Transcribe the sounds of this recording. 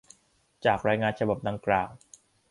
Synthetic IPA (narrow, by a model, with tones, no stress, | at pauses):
t͡ɕaː˨˩k̚ɾaː˧jŋaː˧nt͡ɕʰa˧ba˨˩p̚da˨˩ŋklaː˨˩w